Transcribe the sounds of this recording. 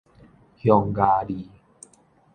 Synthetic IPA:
hjɔ˨˩ŋɡa˨li˨˩

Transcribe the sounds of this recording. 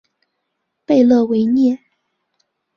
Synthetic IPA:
pe˥˧ɪlɤ˥˩we˧˥ɪnjɛ˥˩

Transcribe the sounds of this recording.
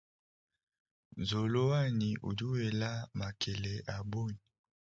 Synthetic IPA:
zo˨lo˦a˦ni˨ʔo̰˨du˦we˦˨la˦ma˨kʰɛ˨lɛ˨ʔa˨bo˦ni˨

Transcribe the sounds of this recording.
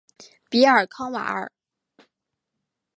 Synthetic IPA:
pi˧˥ə˞˨˩kʰɑ˥ŋwa̰˧˥ə̰˨˩˦

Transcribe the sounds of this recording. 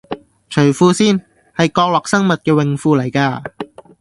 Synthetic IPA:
t͡ʃʰɵ˨˩ɥfuː˧siː˥n | hɐ˨jkɔː˧k̚lɔː˨k̚sɐ˥ŋmɐ˨t̚kɛː˧wɪ˨ŋfuː˧lɐ˨˩jkaː˧

